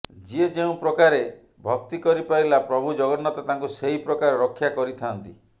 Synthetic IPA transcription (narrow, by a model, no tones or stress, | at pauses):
d͡ʒied͡ʒeũpɾɔkaɾe | bʱɔk̚t̪ikɔɾipailapɾɔbʱud͡ʒɔɡɔnːɔt̪ɔt̪aŋkuseɦipɾɔkaɾɔɾɔkʰːjakɔɾit̪ʰant̪i